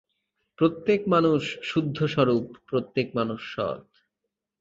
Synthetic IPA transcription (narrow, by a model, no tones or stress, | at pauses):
pɾot̪ːekmanuʃːud̪ʱːoʃɔɾupːɾot̪ːek̚manuʃːɔ̰t̪